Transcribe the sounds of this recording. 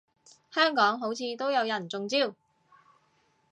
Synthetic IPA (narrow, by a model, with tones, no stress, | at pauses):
hœː˥ŋkɔː˨˥ŋɦo˨˥wt͡sʰiː˨˧t̪o˥wjɐ˨˧wjɐ˨˩nt͡sʊ˨ŋt͡siː˥˧w